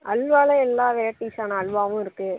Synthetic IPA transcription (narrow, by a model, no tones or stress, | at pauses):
ʔɐlʋaːlɐɛlːaːʋɛɾɐʈːiːsaːnɐɐɭʋaːʋʊ̃ɪɾɯkːɯ